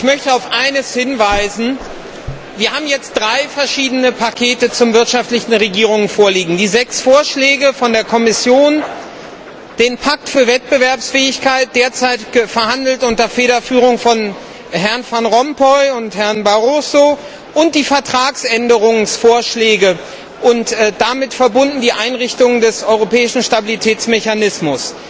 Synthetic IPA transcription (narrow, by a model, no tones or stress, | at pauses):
ʔɪçmœçtəaʊfʔaɪnəshɪnvaɪzn̩ | viːɐhaːbm̩jɛt͡st̚d̥ʁaɪfɛɐʃiːdənəpʰakʰeːtət͡sʊmvɪɐtʃaftlɪçn̩ʁeɡiːʁʊŋnfoːɐliːɡŋ̩diːzɛksfoːɐʃlɛːɡəfɔndeːɐkʰɔmɪsjoːn | d̥eːnpʰak̚tfyːɐvɛt̚b̥əvɛɐpsfɛːɪçkʰaɪt̚d̥eːɐt͡saɪtɪɡ̥əfɛɐhandl̩tʔʊntdɐɐfeːɾɐfyːʁʊŋfɔn | hɛɐnfanʁɔmpʰɔʏʊnthɛɐnbaʁoːso | ʔʊnt̚d̥iːfɛɐtʁ̥aːksʔɛndəʁʊŋsfoːɐʃlɛːɡə | ʔʊntd̥amɪtfɛɐbʊndn̩diːʔaɪnʁɪçtʊŋdɛsʔɔʏʁopɛːɪʃn̩ʃtabilitʰɛːt͡smeçanɪsmʊs